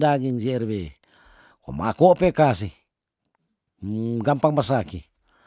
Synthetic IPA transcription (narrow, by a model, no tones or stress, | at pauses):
daɡiŋsirwe | ko̰ma̰kopekas̬ih | ɡampaŋmas̬aki